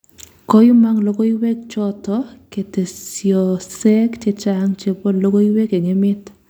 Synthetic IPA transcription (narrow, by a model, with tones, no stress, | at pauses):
kɔ˦ju˦ma˦ŋlo˦ko˦i˦we˦k̚t͡ʃɔ˦tɔ˦ke˨te˨sjɔ˨sɛ˦kt͡ʃe˦t͡ʃa˦ŋt͡ʃe˨bo˦lo˦ko˦i˦we˦ke˨ŋe˦mɪ˦t